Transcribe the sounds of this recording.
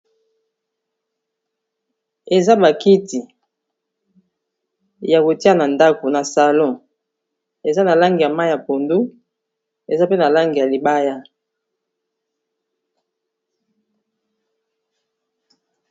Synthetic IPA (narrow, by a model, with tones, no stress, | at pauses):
e˨za˦ba˨ki˦ti˨ | ja˨ko˨ti˦a˦na˨nda˦ko˨na˨sa˨lɔ̃˦˨ | e˨za˦na˨la˦ŋɡi˨ja˨ma˦jja˨po˨ndu˦ | e˨za˦pe˦na˨la˦ŋɡi˨ja˨li˨ba˦ja˦